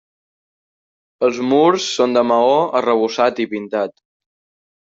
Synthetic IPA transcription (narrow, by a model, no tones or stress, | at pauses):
əlˠzmuɾsːond̪əməoərəβ̞usat̪ipint̪at̪